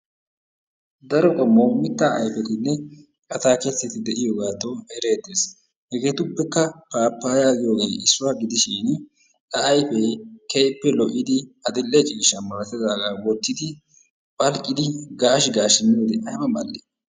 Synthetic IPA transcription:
d̪ɐɾɔkʼɔmːowmɪt̪ːaːʔɐ̰jfɛt̪ɪnːɛ | kʼɐt̪aːkesːɛt̪ɪd̪ɛʔɪjoːɡaːt̪ːoɛɾeːd̪ːeːs | hɛɡe̞ːt̪ʊpːɛkːɐpaːpːaːjaːɡɪjoːɡe̞ːʔɪsːʊwaɡɪd̪ɪʃɪn | t̪ɐːjfekejpːɛlɔʔɪd̪ɪɐd̪ɪlːɛt͡ʃʼiːʃɐnmɐɾɐt̪ɪzaːɡaːwɔt̪ːɪd̪ɪ | pʼɐlkʼːɪd̪ɪɡaːʃɡaːʃɪnːod̪ɛʔɐjmɐmɐlːe

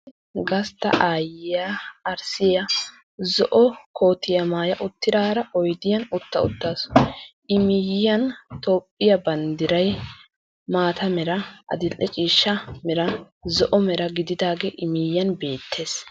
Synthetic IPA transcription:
ɡɐst̪ɐ̰ʔaːjɪjaːɾsɪjɐ | zɔʔɔkʰo̞ːt̪ːɪjɐmaːjɐʔʊt̪ːɪd̪aːɾɐʔɔjd̪ɪjɐnʊt̪ːɐ̰ʊ̰t̪ːaːsʔɪmɪjɐnt̪oːpʼːɪjɐbɐnd̪ɪɾɐj | maːt̪ɐmɛɾɐʔɐ̰d̪ɪlʔːɛt͡ʃʼiːʃːɐmɛɾɐ | zɔʔɔmɛɾɐɡɪd̪ɪd̪aːɡeʔɪmɪjːɐnbe̞ːt̪ʰːe̞ːs

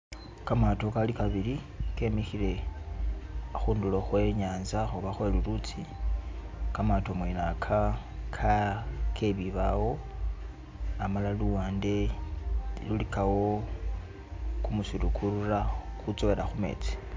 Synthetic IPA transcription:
kamato̞kalikaβili | ke̞mixile̞ | xuːnduloxwe̞ɲaːnzaxuβaxweluɾut͡si | kamatomwenakʰa | kʰakʰe̞βiβawo̞ | amalaluwaːnde̞ | lulikawo̞ | kumusiɾukʰuɾuɾaxut͡soβe̞ɾaxume̞̰t͡si̥

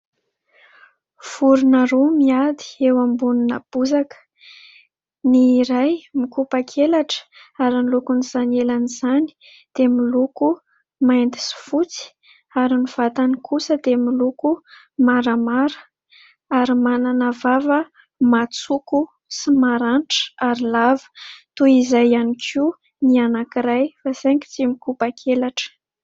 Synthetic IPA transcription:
v̥uɾunaɾomiad̪i̥ewambuninəb̥uzakə̥ | niːɾajmikupakʰelaʈ͡ʂə̥aɾinlukuniz̥anelanizani̥ | d̪̥emiluku | majnt̪i̥si̥fut͡si̥ | aɾiniv̥at̪anikʰusəd̪emiluku | maɾəmaɾə̥ | aɾimananavavə | mat͡suku | simaɾanʈ͡ʂə̥aɾilavə̥t̪uizajanikʰi | nianakiɾajfaseŋki̥t͡simikupakʰelaʈ͡ʂə̥

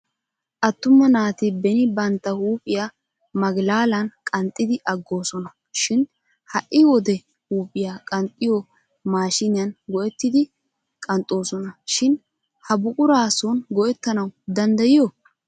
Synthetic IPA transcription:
ʔɐt̪ːʊmːɐnaːt̪ɪbɛnɪbɐnt̪ːɐhuːpʼɪja | mɐɡlaːlɐnkʼɐnt̪ʼːɪd̪ɪʔɐɡːo̞ːsɔnɐ | ʃɪn | hɐʔɪwɔd̪ɛ | huːpʼɪjakʼɐnt̪ʼːɪjɔ | maːʃɪnɪjɐnɡɔjɛt̪ːɪd̪ɪ | kʼɐnt̪ʼːo̞ːsɔnɐʃɪn | hɐbʊkʼʊɾaːsɔnɡɔʔɛt̪ːɐnɐwd̪ɐnd̪ɐjɪjɔ

